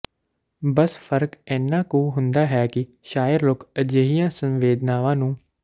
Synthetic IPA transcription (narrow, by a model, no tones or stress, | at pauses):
bəsfʰəɾkɛːnːãːkũːɦʊnd̪aːɦɛːkɪ | ʃaːjəɾloːkəd͡ʒeːɦijãːsə̃nʋeːd̪naːʋãːnũː